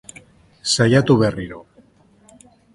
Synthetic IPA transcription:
sajat̪uβe̞riɾo

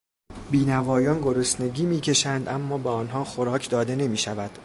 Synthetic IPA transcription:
biːnævɒːjɒːnɡo̞ɾosne̞ɡiːmiːcʲʰe̞ʃænd̪ʔæmːɒːbeɒːnɦɒːxoɾɒːcʰd̪ɒːd̪e̞ne̞miːʃævæd̪̥

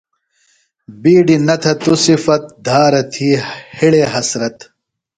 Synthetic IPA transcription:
biːɖinɐt̪ʰɐt̪usifɐt̪̚d̪ʱaːɾɐt̪ʰiːhiɭeɦɐsɾɐt̪

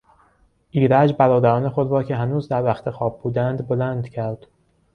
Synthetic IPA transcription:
ʔiːɾæd͡ʒbæɾɒːd̪æɾɒːne̞xo̞d̪ɾɒːcʰe̞ɦænuːzd̪æɾvæxt̪ʰe̞xɒːb̚buːd̪ænd̪bolænd̪cʰæɾd̪̥

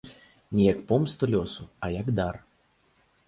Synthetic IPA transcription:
nʲɛjɐkpɔmst̪ɔlʲɔsuɐjaɡd̪ar

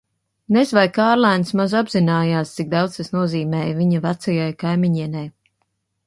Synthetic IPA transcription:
nezvajkaːɾlˠajnsmazabzinaːjaːst̪sik̚d̪awd̪st̪asnuɔziːmɛːjviɲavat̪sajajkajmiɲiɛnɛj

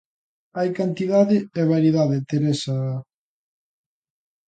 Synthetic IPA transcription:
ajkant̪iðaðɪɛβaɾiðaðet̪eɾesa

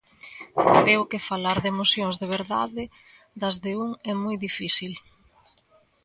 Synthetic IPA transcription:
kɾeʊkɪfalaɾðemosjoŋzðeβ̞eɾða̰ðɪ | ðɐzðeuŋɛmojðifisil

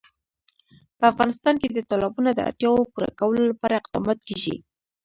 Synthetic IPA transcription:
pəafɣɑnɪst̪ɑnked̪ət̪ɑlɑbunad̪əa̰ʈjɑwopuɾa̰kawəlolapɑɾaɪqd̪ɑ̰mɑt̪̚keʒḭ

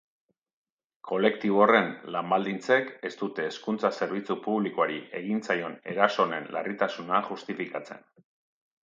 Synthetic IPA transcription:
ko̞le̞kt̪iβore̞nlambald̪int͡se̞ke̞st̪ut̪e̞ːskunt͡sase̞ɾβ̞it͡supuβlikoaɾiʔe̞ɣint͡sajo̞ne̞̰ɾaso̞ne̞nla̰rit̪asunaʝust̪ifikat͡se̞̰n

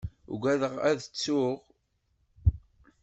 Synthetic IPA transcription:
ɡʷæðəʁæðt͡sːʊʁ

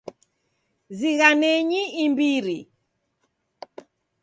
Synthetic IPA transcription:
ziɣanɛɲiimbiɾi

